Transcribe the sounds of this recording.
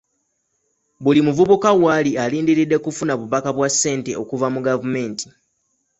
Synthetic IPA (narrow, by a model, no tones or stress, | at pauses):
βulimuvuβukawalialiːndiɾidːe̞kufunaβuβakaβwasːe̞ːnte̞o̞kuvamuɡavume̞ːntʰi̥